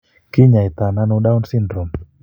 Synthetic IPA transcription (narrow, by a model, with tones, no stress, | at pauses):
ki˦ɲa˨i˨t̪a˨na˦nu˦da˦unsi˦ndɾɔ˨m